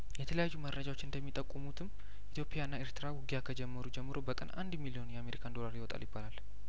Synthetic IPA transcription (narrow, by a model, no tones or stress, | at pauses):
jɛt̪ʰələjajːuməɾːəd͡ʒawo̞t͡ʃːɨnd̪əmːit̪ʼəkʼːumut̪ʰɨm | ʔit̪ʰjo̞pʼjaɨnːaeɾt̪ʰɨɾawʊɡijakʰəd͡ʒɛmːəɾud͡ʒɛmːɨɾo̞bəkʼə̰nʔa̰nd̪milio̞njɛame̞ɾikʰand̪o̞laɾjɪwot̪ʼa̰ljɪbːalal